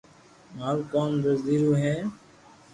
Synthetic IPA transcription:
maːlkoːnd̪əɾd̪iːɾuːɦɛ̃ː

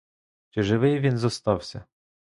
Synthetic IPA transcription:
t͡ʃɪʒɪʋɪjʋʲinzɔst̪ɑwsʲɐ

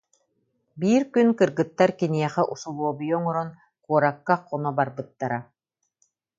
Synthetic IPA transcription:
biːɾkynkɯɾɡɯt̪ːaɾkiniɛχɛʔusulˠuɔbɯjɔŋɔɾɔn | kuɔɾakːaqːɔnɔbaɾbɯt̪ːaɾa

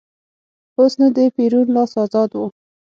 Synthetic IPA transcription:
osnad̪əpiɾunlɑsɑzɑd̪wu

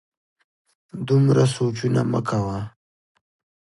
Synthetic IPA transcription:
d̪umɾasot͡ʃunamə̰kʰawa

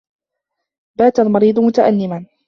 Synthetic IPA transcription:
baːt̪almɑɾiːd̪ˤʊmʊt̪aʔanːɪman

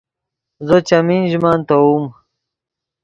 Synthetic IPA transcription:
zət͡ɕɐmiːnʑumaːnt̪ɐuːm

